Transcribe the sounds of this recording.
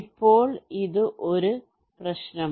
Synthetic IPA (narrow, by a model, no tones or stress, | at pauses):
pːo̞ːɭiðɨʔo̞ɾu | prɐɕnɐ